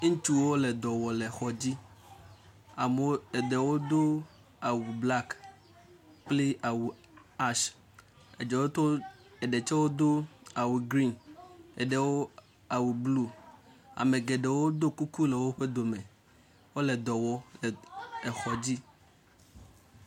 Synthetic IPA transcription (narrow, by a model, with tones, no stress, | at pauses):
ŋ̩˦t̪u˦wo˦le˨d̪ɔ˨wɔ˨le˨xɔ˨d͡ʑi˦ | a˨mo˦e˨de˨wo˦d̪o˦ | a˨wu˨bla˦k | k͡ple˦a˨wu˨ | a˦ʃ | ḛ˨d͡ʒɛ˨wo˦t̪o˦ | e˨ɖe˨t͡ʃɛ˦wo˦d̪o˦a˨wu˨ɡɾi˦nḛ˨ɖe˨wo˦ | a˨wu˨blu˦a̰˨me˨ɡe˨ɖe˨wo˦d̪o˦ku˦ku˦le˨wo˦ɸe˦d̪o˨me˨ | wo˦le˨d̪ɔ˨wɔ˦le˨e˨xɔ˨d͡ʑi˦